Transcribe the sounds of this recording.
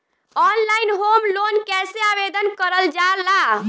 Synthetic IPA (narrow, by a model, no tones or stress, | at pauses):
ɔnlainɦomlonkɛseabed̪ənkəɾəld͡ʒala